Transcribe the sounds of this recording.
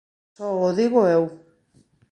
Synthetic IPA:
ooðiɣoew

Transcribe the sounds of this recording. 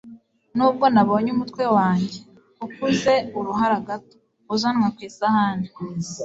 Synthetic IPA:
nuːb̚ɡo̞naβo̞ːɲumutkwe̞waːɲɟe̞ | ukuze̞uɾuɦaɾaɡato̥ | uzanŋakwiːsahaːndi

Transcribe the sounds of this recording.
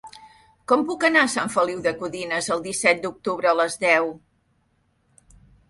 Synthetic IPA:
kɔmpukənaəsaɱfəliwðəkuðinəzəlˠd̪isɛt̪̚d̪uk̚t̪uβɾəːləzðɛw

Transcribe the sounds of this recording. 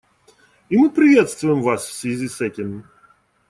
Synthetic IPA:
imɨpɾʲɪvʲet̪st̪vʊjɪmvasfsʲvʲɪzʲisɛtʲɪm

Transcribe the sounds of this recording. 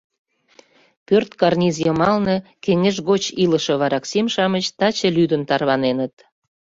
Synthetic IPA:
pørt̪kɑrnʲizjɤmɑlnɤkeŋeʒɣot͡ɕiləʃɤ̆βɑɾɑksimʃɑmət͡ɕt̪ɑt͡ɕə̆lyd̪ənt̪ɑrβɑnenət̪

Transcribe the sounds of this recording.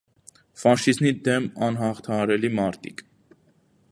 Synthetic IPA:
fɑʃiznid̪ɛmɑnɦɑχt̪ʰɑɦɑɾɛlimɑɾt̪ʰḭk

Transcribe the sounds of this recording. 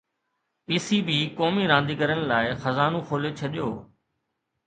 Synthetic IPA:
piːsiːbiːkoːmiːɾãːnd̪iːkəɾənlaːɪxəzaːnũːkʰoːlet͡ʃʰɐɗɪjoː

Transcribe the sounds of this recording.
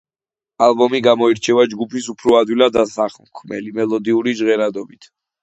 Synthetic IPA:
albɔmiɡamɔiɾt͡ʃʰɛvad͡ʒɡupʰisupʰɾɔad̪wilad̪asaχmkʰmɛ̰limɛlˠɔd̪iuɾid͡ʒʁɛɾad̪ɔbit̪ʰ

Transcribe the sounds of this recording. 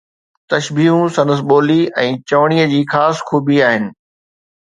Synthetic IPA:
t̪ɐʃbiːɦũsɐ̃nəs̬ɓoːliɛ̃ːt͡ɕɐʋɽ̃iəd͡ʑiːxaːsxuːbiaːɦɪnɪ̆

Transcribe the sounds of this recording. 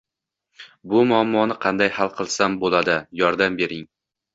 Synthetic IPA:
bʊmʊamːɒnɪqʰɑnd̪ajhalˠqʰɨlˠsambolˠad̪ɪjɒɾd̪ambe̞ɾɪŋ

